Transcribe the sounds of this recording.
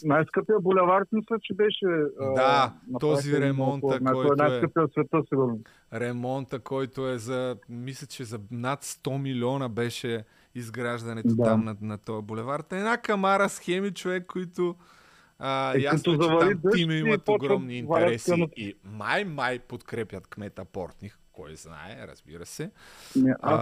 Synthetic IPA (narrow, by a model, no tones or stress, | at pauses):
najskəpijəbolʲɛvaɾt̪mislʲət͡ʃɛbɛʃɛd̪anɐt̪ɔziɾɛmɔnt̪əɔj̪ɔnaj̪ɛkəpiəsvɛt̪əsiɡuɾno | ɾɛmɔnt̪əkʰɔjt̪ʊɛzɐmislʲɐt͡ʃɛzɐnat̪st̪ɔmilʲiɔnəbɛʃɛ | izɡɾaʒd̪ɐnɛt̪d̪aamnɐnɐt̪ɔjɐbolɛvaɾt̪ɐɛnakɐmaɾɐsxɛmit͡ʃovɛkːoit̪o | əjat̪ozɐvɐɾid̪əimimit̪oɡɾɔmniinvaɛɐɾɛsɛot̪imajmajpot̪kɾɛpʲjɐt̪kmɛt̪ɐpɔ̰ɾt̪nixkɔjzna̰ɛ̰ɾɐ̰z̥bḭɾəsɛnɛ̰